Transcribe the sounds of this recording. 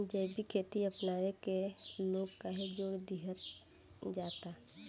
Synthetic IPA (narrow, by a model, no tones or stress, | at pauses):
d͡ʒəːbʱikʰeːt̪iəpnaːɾekeloːɡkaɦed͡ʒoːɾd̪iɦət̪ | d͡ʒaːt̪a